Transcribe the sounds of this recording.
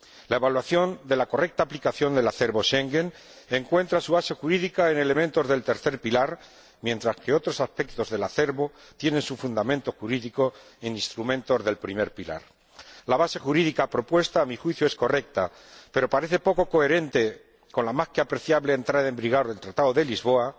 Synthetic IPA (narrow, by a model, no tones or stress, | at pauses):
lae̞βalwaθjo̞nd̪e̞lako̞re̞k̚t̪aːplikaθjo̞nd̪e̞laθe̞ɾβo̞ʃe̞ŋɡe̞n | e̞ŋkwe̞nt̪ɾasuβase̞xuɾiðikae̞ne̞le̞mẽ̞nt̪ozðe̞lt̪e̞ɾθe̞ɾpilaɾ | mje̞nt̪ɾaske̞o̞t̪ɾo̞saspe̞k̚t̪o̞zðe̞laθe̞ɾβo̞ | t̪je̞ne̞nsufund̪amẽ̞nt̪o̞xuɾiðiko̞e̞nĩnst̪ɾumẽnt̪o̞zðe̞lpɾime̞ɾpila̰ɾ | laβase̞xuɾiðikapɾo̞pwe̞st̪aːmixwiθjoe̞sko̞re̞k̚t̪a | pe̞ɾo̞paɾe̞θe̞po̞ko̞ko̞e̞ɾe̞nt̪e̞ | ko̞nlamaskeapɾe̞θjaβle̞ːnt̪ɾaðaẽmbɾiɣ̞awɾðe̞lt̪ɾat̪aðoðe̞lizβo̞a